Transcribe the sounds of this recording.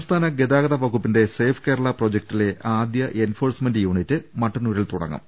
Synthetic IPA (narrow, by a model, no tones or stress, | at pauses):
ɐmst̪ʰaːnɐɡe̞d̪aːɡɐðɐʋɐkupːinde̞se̞ːfʰkeːɾɐɭɐpro̞ːd͡ʑek̚ʈile̞ʔʔaːd̪jɐʔenfo̞ːrsmɐndɨjuːɳitːɨmɐʈːɨnuɾilt̪uɽɐ̰ŋːɐ̰m